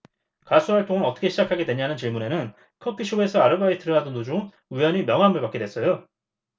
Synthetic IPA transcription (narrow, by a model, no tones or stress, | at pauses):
kas͈ʰuɦaɭt͈ʰoŋɯɾʌt͈ʌkʰe̞ɕʰid͡ʑakʰaɡe̞dwe̞ɲanɯnt͡ɕiɭmune̞nɯn | kʰʌk͈ʰːiɕʰoe̞sʰʌaɾɯbaitʰɯɾʌnadɯndod͡ʑuŋ | ujʌɲimjʌŋɦambɯɭpak͈e̞dwe̞s͈ʌjo